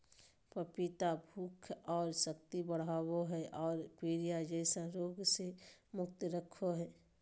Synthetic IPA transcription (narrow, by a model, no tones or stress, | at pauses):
pəpit̪abʱuːkʰɔːɾsəkt̪ibəɽ̤ɦaːwoɦɛʔɔːɾpiːɾijad͡ʒɛːsaɾoːɡsemʊk̚t̪ɾəkʰoɦɛː